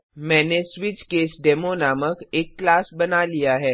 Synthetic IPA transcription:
mɛ̃ːnesʋɪt͡ʃkeːsɖɛːmonaːməkeːkːlaːsbɐnalijaɦɛː

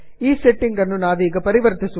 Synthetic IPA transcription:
iːsɛʈːɪŋkɐnːunaːðiːɣɐpɐɾɪʋɐɾɐt̪ːɐsu

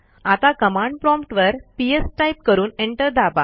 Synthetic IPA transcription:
at̪akəmãɳɖ̚pɾɔmpʈʋəɾpiesʈajp̚kəɾuːneɳʈəɾd̪aba̰

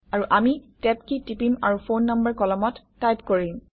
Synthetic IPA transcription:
aɹuʔamitɛpkitipima̰ɹufonːambəɹkɔlɔmɔtːajpkoɹim

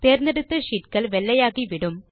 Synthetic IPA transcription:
p̪eːrneɽut̪ːɨʂiʈkɐɭʋelːɐjaːɣiʋiɽum

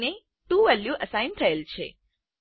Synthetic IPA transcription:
ne | t̪ũʋɛljuʔəsaint̪ʰəelt͡ʃʰḛ

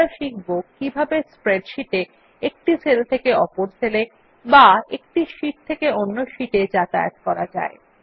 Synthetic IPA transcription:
aʃik̚bokːibʱabespɾeɖʃiʈe | ek̚ʈisʰelet̪ʰekeɔpoɾsʰele | baḛk̚ʈiʃiʈ̚t̪ʰekeonːoʃiʈed͡ʑat̪ajḛt̪kɔɾad͡ʑa̰e

